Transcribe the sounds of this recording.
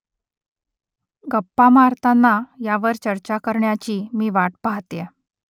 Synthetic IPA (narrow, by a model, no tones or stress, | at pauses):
ɡəpːamaɾt̪anːajaʋəɾt͡ɕəɾt͡ɕakəɾɳjat͡ɕiːmiːʋaʈ̚paɦt̪jɛ